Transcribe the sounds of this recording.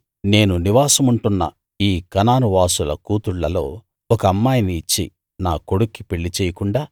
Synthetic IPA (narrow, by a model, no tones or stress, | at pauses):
ne̞ːnuniʋaːsɐmuɳʈunːɐ̰ | iːkɐnaːnuʋaːsulɐ̰kuːt̪uɭːɐlo̞̰ː | ɔkɐɐmːaːjiniːt͡ʃːḭ | naːko̞ɽukːipeɭːit͡ʃɛːjɐkuɳɖaː